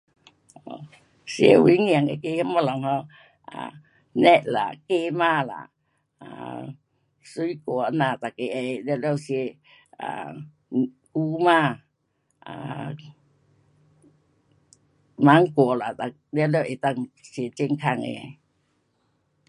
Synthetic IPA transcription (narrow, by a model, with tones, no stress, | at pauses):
ɔ˨ | sjḛ˧wḭ˨˦ŋi˧ə˨ŋe˧˨ke˧˨hə˧˥˦ma˧˨lɔ˨ŋhɔ˧ | ʔa̰˨ | nɛ˦˧t̚la̰˨ke˧˨maː˧˨la̰˨ | a̰˨ | su˧˦i˦kɔ˨ʔna˨˩t̪a˨ke˧˨ʔe˧˨lɛ˧˨lɛ˧˨wse˧ | a̰˨ | ʔu˧˦maː˧˨ | ʔa˨ | ma˨˦ŋkɔ˨˩˨la˨t̪a˨ | lɛ˧˨lɛ˧˨ʔe˨t̪a˧ŋse˧t͡ɕe˧˨ŋkʰa˧˨ŋʔḛ˧˨a˧˨